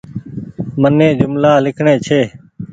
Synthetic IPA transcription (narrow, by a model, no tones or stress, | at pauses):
mənẽːd͡ʒʊmlaːlɪkʰɳẽːt͡ʃʰeː